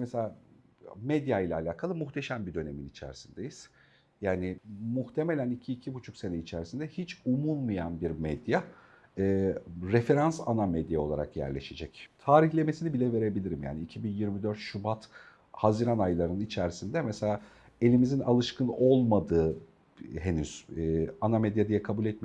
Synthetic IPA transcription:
meselʲaː | med̪jajlʲaːlʲaːkʰalˠɯmuxt̪ʰe̞ʃæmbid̪ø̞ne̞minit͡ʃʰæ̰ɾisind̪e̞jiz̥ | jaːnimuxt̪ʰe̞me̞lʲænicʰiːcʰibut͡ʃʰukse̞nɛit͡ʃʰæɾisind̪ɛhit͡ʃumunmɯjanbiɾmɛd̪ja | ɛːɾefe̞ɾansanamed̪jao̞lˠa̰ɾa̰kjæ̰ɾlʲe̞̰ʃed͡ʒɛct̪ʰaːɾiçlʲe̞mesinibilʲɛve̞ɾe̞bilʲiɾimja̰ːniːcʰibinjiɾmid̪øɾt̪ʃubat̪ | haziɾanajlˠaɾɯnit͡ʃʰæɾsind̪ɛmɛselʲaː | e̞lʲimizina̰lˠɯʃkɯno̞lˠmad̪ɯː | ɦenyz̥anamed̪jad̪ijɛkʰabulʲɛt̪̚mi

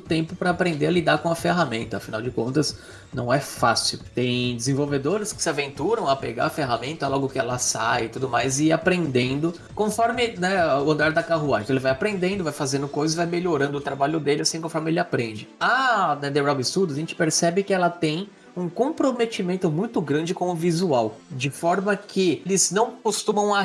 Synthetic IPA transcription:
ʊt̪ẽmpʊpɾɐːpɾẽnd̪eɐlid̪aɾkõɐfeɦamẽnt̪ɐːfina̰wd͡ʒɪkõ̰nt̪ɐz | nɐ̃w̃ɛfa̰sɪ̰wt̪ẽj̃d͡ʒɪzẽvowved̪oɾɪskɪ̥sɪavẽnt̪uɾɐ̃w̃ɐpḛɡa̰ɐfeɦamẽnt̪ɐlɔɡʊkɪɛlɐsajɪt̪ud̪ʊmajzɪapɾẽnd̪ẽnd̪ʊ | kõfɔɾmɪnɛʊɐ̃nd̪aɾd̪ɐkaɦuaj̪ɐ̃elɪvajapɾẽnd̪ẽnd̪ʊvajfazẽnd̪ʊkojzɐzɪvajmeʎoɾɐ̃d̪ʊt̪ɾabaʎʊd̪elɪasĩkõfɔɾmɪelɪapɾẽnd͡ʒɪanɐd̪ebɾawbɪst̪ud̪ʊaʒẽnt͡ʃɪ̥peɾsɛbɪkɪɛlɐt̪ẽj̃ | ũkõpɾomet͡ʃimẽnt̪ʊmũj̃t̪ʊɡɾɐ̃nd͡ʒɪkõʊvizuawd͡ʒɪfɔɾmɐkʰɪlɪznɐ̃w̃kost̪ũmɐ̃w̃a

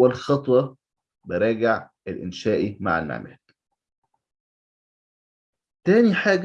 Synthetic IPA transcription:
alxɑt̪ˤwɑ | bɪɾˤɑːɡɪʕ | ɪlʔɪnʃæːʔima̰ʕa̰lnʕa̰mæ̰ːl | t̪æːniħaːɡ

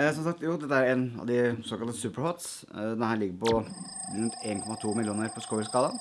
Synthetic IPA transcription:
sɔmsɑk̚t̪juːd̪ɛt̪ːəæɾeːnɑ̰ʋd̪ɪsɔːkɑlt̪əsʉːpəɾhɔt̪s | d̪ɛhɑlɪɡːəpɔ | ɾʉnt̪ʰeːnkʰɔmɑt̪ʰuːmɪljuːnəɾpʰɔskɔskɑːd̪ɑ

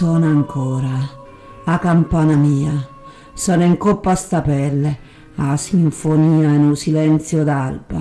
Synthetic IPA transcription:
ɔnaŋkʰɔːɾaː | kampanamiːa | sɔːnoiŋkopːast̪apɛlːe | asiɱfoniːaenusilɛnt̪sjod̪alba̰

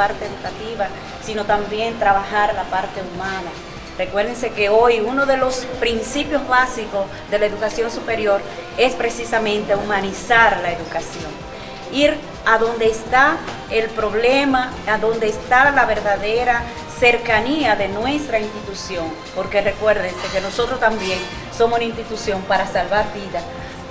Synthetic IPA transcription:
aɾt̪eeðukat̪iβa | sino̞t̪ambje̞nt̪ɾaβaxaɾlapaɾt̪e̞umãna | re̞kwe̞ɾðeŋse̞ke̞ojuno̞ðe̞lo̞spɾinsipjo̞zβasiko̞s | ðe̞lae̞ðukasjo̞ŋsupe̞ɾjo̞ɾe̞spɾe̞sisamẽ̞nt̪e̞umãnisaɾlaeðukasjo̞̰ŋ | iɾ | aðo̞nd̪e̞ːst̪a | elpɾo̞βlemaaðo̞nd̪eːst̪alaβe̞ɾðaðe̞ɾa | se̞ɾkaniaðenwe̞st̪ɾainst̪it̪usjo̞ŋ | po̞ɾke̞rekwe̞ɾðense̞ke̞no̞so̞t̪ɾost̪ambje̞ŋ | so̞mosnaĩnst̪it̪usjo̞mpaɾasalβaɾβiða

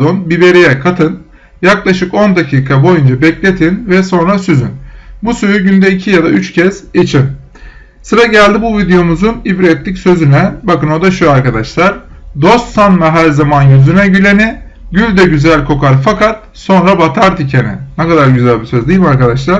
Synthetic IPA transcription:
onbibe̞ɾijɛkʰat̪ʰɯn | jaklˠaʃɯko̞nd̪acʰiːkʰabo̞jund͡ʒabɛclʲe̞t̪ʰinvɛso̞nɾasyzynbusyɾyɟynd̪ɛicʰijad̪ayt͡ʃcʰɛz̥et͡ʃʰin | sɯɾaɟælʲd̪ibuvid̪ejo̞muzunibɾet̪ʰːicsø̞zynɛbakɯno̞d̪aʃuaɾkad̪aʃlˠaɾ̥ | d̪o̞st̪sanmaɦæɾzamanjyzynɛɟylʲe̞ni | ɟylʲd̪ɛɟyzælʲkʰo̞kʰaɾfakat̪̚ | so̞nɾabat̪ʰaɾd̪icʰenɛ̰nɛkad̪aɾɟyzælʲbisøzd̪ijmaɾkad̪aʃlˠaɾ

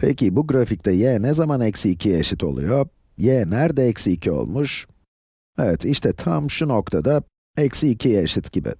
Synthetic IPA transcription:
pʰɛ̰cibuɡɾafic̚t̪ʰɛjɛːnɛzamanɛcsiːcʰijaʃɯt̪ʰo̞̰lˠṵjo | jɛːnæɾd̪ɛɛcsiːcʰio̞̰lˠmuʃ | ɛvɛt̪ʰiʃt̪ʰɛt̪ʰamʃunokt̪ʰad̪a | ɛcsiːcʰijaʃɯt̪ɟibɪ̰

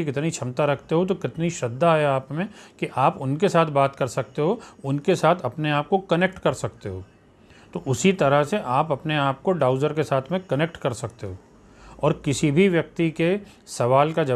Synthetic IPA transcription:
ikɪt̪nit͡ʃʰɐmt̪aɾɐk̚ʰt̪eɦot̪̬okɪt̪niʃɐd̪ːaɦɛaːpmẽkiʔaːpʊnkesaːt̪ʰbaːt̪kɐɾsɐk̚t̪eɦoʊnkesaːt̪ʰɐpneaːp̚kokɐnek̚ʈkɐɾsɐk̚t̪eɦoː | t̪oːʔʊsit̪ɐɾəɦseʔaːpɐpneaːp̚koɖaːʊzəɾkesaːt̪ʰmẽkɐnek̚ʈkɐɾsɐk̚t̪eɦoː | ɔːɾkɪsibʱiʋjɐk̚t̪ike | sɐʋaːlkad͡ʒɐ

